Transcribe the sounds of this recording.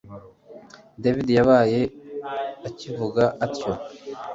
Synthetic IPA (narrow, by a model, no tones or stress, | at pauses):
devidijaβaːje̞ | acivuɡaʔatco̞